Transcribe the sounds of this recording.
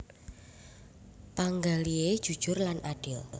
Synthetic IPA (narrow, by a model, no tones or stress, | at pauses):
paŋɡalied̥ʒ̥ṳd̥ʒ̥ʊrlanʔaɖ̥ɪl